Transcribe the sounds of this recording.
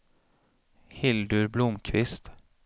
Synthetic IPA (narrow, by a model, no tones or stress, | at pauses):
hɪld̪ʉɾblʊmkʰvɪst̪